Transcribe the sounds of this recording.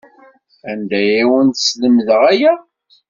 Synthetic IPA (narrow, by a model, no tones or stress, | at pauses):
ænd̪æjiwənt̪sləmðəʁæjæ